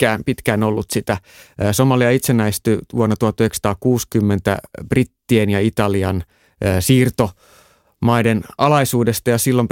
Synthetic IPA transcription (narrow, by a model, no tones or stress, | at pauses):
kæːnpit̪kæːnolːut̪sit̪æː | somɑliɑit̪senːæist̪yʋuonːɑt̪uhɑt̪ːyheksɑ̥t̪ɑːkkuːskymːent̪æ̰b̥rit̪ːienjɑit̪ɑliɑnː | siːrt̪o̞ | mɑidenɑlɑisuːdest̪ɑjɑsilːom